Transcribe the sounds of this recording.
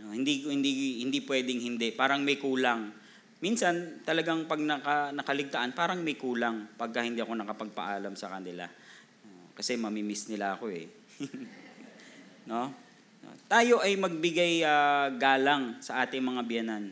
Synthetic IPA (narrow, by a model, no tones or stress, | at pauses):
ʔohɪnd̪ikhɪnd̪ihɪnd̪ipwɛːd̪ɪŋhɪnd̪ɛpaːɾɐŋmɐjkuːlaŋ | minsɐnt̪ɐlɐɡaŋpɐɡ̚nɐkɐnɐkɐlɪɡ̚t̪ɐʔanpaːɾɐŋmɐjkuːlaŋpɐɡ̚kɐhɪnd̪iːʔɐko̞nɐkɐpɐɡ̚pɐ̰ʔaːlɐmsɐkɐnɪla̰ | okɐsɛmɐmimɪsnɪlaɐko̞ɛ | no̞ | no̰t̪aːjo̞ʔɐjmɐɡ̚bɪɡajɡaːlɐŋsɐʔaːt̪ɪŋmɐŋabɪjanan